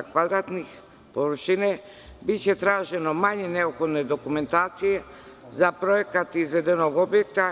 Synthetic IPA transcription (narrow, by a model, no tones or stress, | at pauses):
akvad̪ɾat̪nix | povrʃinɛ | bit͡ɕɛt̪ɾaʒɛnomaɲɛnɛopxod̪nɛd̪okumɛnt̪aːt̪sijɛ | zapɾoekat̪izʋɛd̪ɛnoɡobjɛk̚t̪a